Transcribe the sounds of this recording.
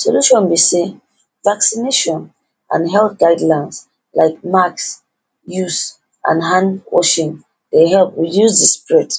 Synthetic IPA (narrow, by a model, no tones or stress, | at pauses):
sɔluʃɔ̃nbise | vaksineʃɔ̃n | ʔãnɦɛltɡaɪdlãns | laɪk̚maks | jus | ʔã̰nɦãnwɔ̰ʃĩn | deɦɛlp̚wijuzdəspɹɛt